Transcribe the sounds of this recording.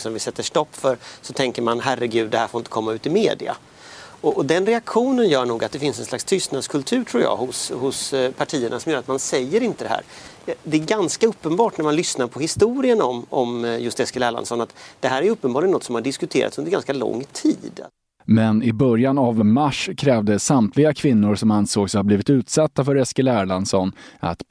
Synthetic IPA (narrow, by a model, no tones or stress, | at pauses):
sɔmvɪsɛt̪ːəʂʈɔpːfœɾsɔt̪ʰɛŋkəɾmanɦærːəɡʉ̟ːd̪ːɛhæːɾfoɾɪnt̪əkʰɔmːaʉ̟ːt̪ɪmeːd̪ɪa̰ | ɔʔɔd̪ɛnɾɛakɧuːnənjœːɳuːɡat̪̚d̪ɛfɪnsɛnslakst̪ʰʏst̪nad̪skʰɵlt̪ʰʉ̟ːʈʰɾuːjɑ̰ːhʊshʊspʰaʈʰiːəɳʔasɔmjœːɾat̪mansɛjːəɾɪnt̪əd̪ɛhæ̰ːɾ | d̪ɛæɾɡanskaɵpːənbɑːʈnæɾmanlʏsnaɾpʰɔhɪst̪uːɾɪənɔmɔmjɵst̪ɛskəlæːɭa̰nsɔnat̪d̪ɛɦæːɾæɾjʏɵpːənbɑːlɪənɔt̪sɔmhaɖɪskɵt̪ʰeːɾa̰t̪sɵnd̪əɾɡa̰nskalɔ̰ŋːt̪ʰiːd̪ | mɛnɪbœɾjanavmaʂkʰɾɛːvd̪əsamt̪ʰlɪɡakʰvɪnːʊɾsɔmansoːɡshabliːvɪt̪ʉ̟ːt̪sat̪ːafœɾɛskəlæːɭansɔnʔa̰t̪